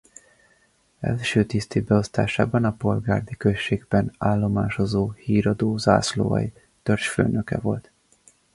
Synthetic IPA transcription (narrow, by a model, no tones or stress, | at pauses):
ɛ̰lʃøːt̪ist̪eːbɛo̞st̪a̰ːʃaːbɒnɒpo̞lɡaːrd̪ikøʃːeːɡbɛnaːlːo̞maːʃo̞zoːhiːɾɒd̪oːza̰ːslo̰ɒ̰j | t̪ørt͡ʃfø̰ːnøkɛ̰vo̞̰lt̪